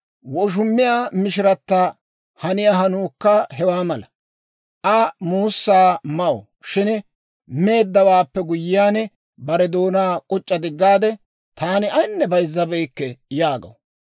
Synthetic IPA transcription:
wɔʃ̬ʊmːɪjaːmɪʃɪɾɐt̪ːɐ | hɐnɪjaɦɐnuːkːɐhɦɛwaːmɐlɐ | ʔɐmuːsːaːmɐwɔ̰ | ʃɪn | me̞ːd̪ːɐwaːpːɛɡʊjːɪːjaːnɛ | bɐɾɛd̪o̞ːnaːkʼɔt͡ʃʼːɐd̪ɪɡːaːd̪ɛ | t̪ʰaːnɪʔɐjnːɛbɐjzːɐbɛjkːɛjaːɡɐ̰w

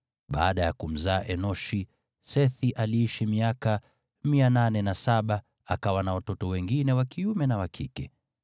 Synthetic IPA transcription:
ɓa̰ːɗajakum̩zaːʔɛnɔʃi | sɛθiʔaliiʃimiaka | miananɛnasaɓa | a̰kawanawatɔtɔwɛŋɡinɛwakiumɛnawakʰikɛ

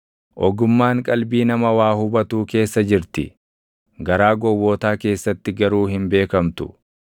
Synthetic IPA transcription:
ʔɔɡʊmːaːŋkʼɐlbiːnɐmɐwaːhʊbɐt̪uːke̞ːsːɐd͡ʒɪɾt̪ɪ | ɡɐɾaːɡɔwːɔːt̪aːke̞ːsːɐt̪ːɪɡɐɾuːhɪmbe̞ːkɐmt̪ʊ

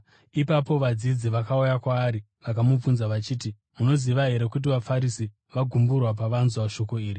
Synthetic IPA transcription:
ipapo̞ʋad͡zid͡ziʋakaujakwaːɾi | ʋakamub͡vunzaʋat͡ʃiːti | muno̞ziʋaɦe̞ɾe̞kut̬iʋafaɾisi | ʋaɡʱumburwap̬aʋanzwaʃo̞ko̞iːri

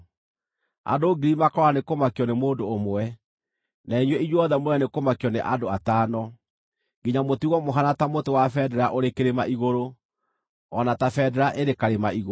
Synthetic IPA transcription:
a̰doːɡiɾimakɔɾanekomakiɔnemoːndoːmwɛ | naiɲwɛiɲwɔðɛmoɾɛnekomakiɔnḛʔadoataːnɔ | ŋɡiɲamotiɣɔmoɦanatamotewafɛːdɛɾaʔoɾekeɾemaʔiɣoɾo | ɔnatafɛːdɛɾaʔeɾekaɾemaiɣo

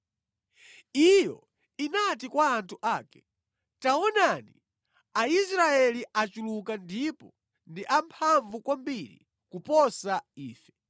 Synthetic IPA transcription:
ijɔ̰ | inatikwaːntʰuʔaːkɛ | taɔnani | aisɾaɛliʔat͡ʃulukandipɔ | ndiʔampʰaɱvukwambiɾḭ | kupɔsaiːfɛ

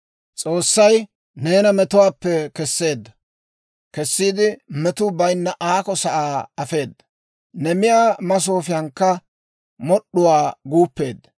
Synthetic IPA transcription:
t͡sʼo̞ːsːɐj | ne̞ːnɐmɛt̪ʊwaːpːɛkɛsːe̞ːd̪ːɐ | kɛsːiːd̪ɪmɛt̪ʊbɐjnːɐʔaːkɔsɐʔaːɐfe̞ːd̪ːɐ | nɛmɪjaːmɐs̬oːfɪjɐŋkːɐ | mɔɗːʊwaːɡuːpːe̞ːd̪ːɐ

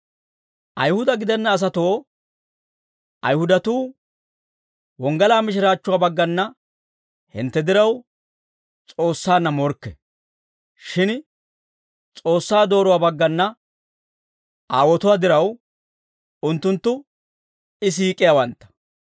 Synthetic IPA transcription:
ʔɐjhʊd̪ɐɡɪd̪ɛnːɐːs̬ɐt̪oː | ʔɐ̰jhʊd̪ɐt̪uː | wɔŋɡɐlaːmɪʃ̬ɪɾaːt͡ʃːʊwaːbɐɡːɐnːɐ | hɪ̰nt̪ːɛd̪ɪɾɐw | t͡sʼo̞ːsːaːnːɐmɔɾkːɛ | ʃɪn | t͡sʼo̞ːsːaːd̪o̞ːɾʊwaːbɐɡːɐnːɐ | ʔaːwɔt̪ʊwaːd̪ɪɾɐw | ʊnt̪ːʊnt̪ːʊ | ɪs̬iːkʼːɪjawɐnt̪ːɐ̥

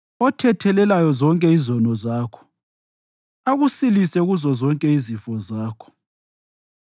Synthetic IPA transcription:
ɔtʰɛtʰɛlɛlajɔzɔŋkʼɛizɔnɔzaːkʰɔ̥ | aɣusilisɛɣuzɔzɔŋkʼɛizifɔzaːkʰɔ̥

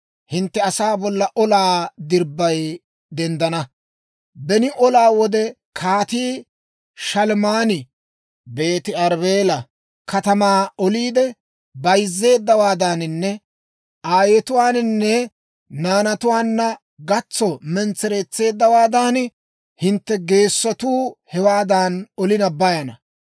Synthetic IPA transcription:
hɪnt̪ːɛɐsaːbɔlːɐʔɔlaːd̪ɪɾbːɐj | d̪ɛnd̪ɐnɐ | bɛnɪʔɔlaːwɔd̪ɛ | kʰaːt̪iː | ʃɐlmaːnɪ | be̞ːt̪ɪɐɾbeːlɐ | kʰɐt̪ɐmaːɔliːd̪ɛ | bɐjzːe̞ːd̪ːɐwaːd̪aːnɪnːɛ | ʔaːjet̪ʊwaːnnːɛ | naːnɐt̪ʊwaːnːɐ | ɡɐt͡sːɔmɛnt͡sːɛɾɛt͡sːe̞ːd̪ːɐwaːd̪aːn | hɪnt̪ːɛɡe̞ːsːɔt̪uːhɛwaːd̪aːnɔlɪnɐbɐjɐnɐ

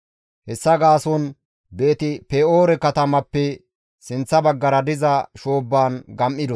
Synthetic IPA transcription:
hɛsːɐɡaːson | beːt̪ɪpɛoːɾɛkɐt̪ɐmɐpːɛ | sɪnt͡sːɐbɐɡːɐɾɐd̪ɪzɐʃoːbːaːnɡɐmʔɪd̪ɔ

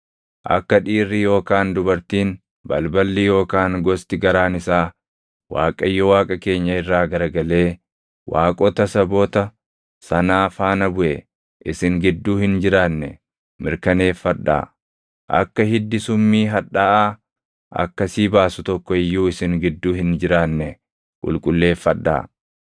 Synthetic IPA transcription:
ʔɐ̰kːɐᶑiːrːijo̞ːkaːnd̪ʊbɐɾt̪iːn | bɐlbɐlːiːjo̞ːkaːŋɡɔst̪ɪɡɐɾaːnɪsaː | wa̰ːkʼɐjːɔwaːkʼɐke̞ːɲːɐɪrːaːɡɐɾɡɐle̞ː | waːkʼɔt̪ɐsɐbɔt̪ɐ | sɐnaːfaːnɐbʊʔɛ | ʔɪsɪŋɡɪd̪ːuːhɪnd͡ʒɪɾaːnːɛ | mɪɾkɐne̞ːfːɐᶑːa̰ː | ʔɐ̰kːɐhɪd̪ːɪsʊmːiːɦɐᶑaːʔaː | ʔɐ̰kːɐsiːbaːsʊt̪ɔkːɔɪjːuːɪsɪŋɡɪd̪ːuːhɪnd͡ʒɪɾaːnːɛ | kʼʊ̰lkʼʊlːe̞ːfːɐᶑːa̰ː

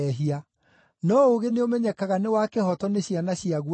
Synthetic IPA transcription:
ɛɦia | nɔoɣeneomɛɲɛkaɣanewakehɔtɔneɕianaɕjiaɣ

